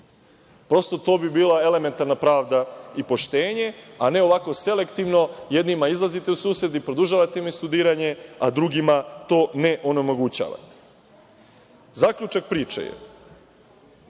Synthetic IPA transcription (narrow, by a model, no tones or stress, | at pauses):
pɾo̞st̪o̞t̪o̞ːbibiːlˠae̞le̞me̞nt̪aɾnapɾaːʋd̪aipo̞ʃt̪e̞ːɲe̞ane̞o̞ʋako̞se̞le̞kt̪iʋno̞jed̪nimaizlˠazit̪eusuːsɾed̪ipɾo̞d̪uʒaːʋat̪emist̪ud̪iːɾaɲe̞ad̪ɾuɡimat̪o̞ːne̞ʔo̞nomo̞ɡut͡ɕa̰ːʋa̰t̪e̥ | zakʎʲut͡ʃak̚pɾiːt͡ʃa̰jḛ